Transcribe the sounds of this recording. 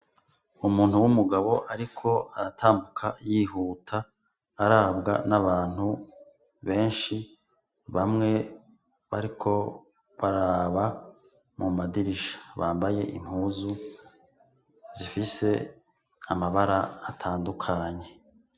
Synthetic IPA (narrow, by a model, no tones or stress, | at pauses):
umuːnhuwumuɡaβo̞ʔaɾikʰo̞aɾatʰaːmbukʰajiːɦuːtʰaː | ɾaːβɡa̰naβaːn̥hu | βe̞ːnʃi | βamŋe̞ | βaɾikʰo̞ | βaɾaβa | mumadiɾiʃḁβaːmbaje̞ʔḭm̥huːzu | z̥ifise̞ | amaβaɾaːtʰaːndukʰaɲe̞